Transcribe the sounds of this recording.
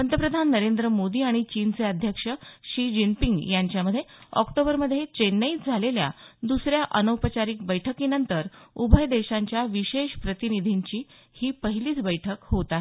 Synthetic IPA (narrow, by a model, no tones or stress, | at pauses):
ənt̪əpɾəd̪ʱanːəɾend̪ɾəmod̪iːaɽ̃it͡ɕint͡seəd̪ʱjəkʂəɕid͡ʑimpiŋɡjaɲt͡ɕjaməd̪ʱːjeɔ̰kʈobəɾməd̪ʱːjet͡ɕenːəit̪d͡zʱalelja̰d̪usɾjaʔənəwpət͡ɕaɾiːk̚bəjʈʰəkinənt̪əɾubʱəjd̪eɕaɲt͡ɕjaʋiɕeɕpɾət̪inid̪ʱiɲt͡ɕiː | hiːpəɦiliːt͡sbəjʈʰəkɦot̪ae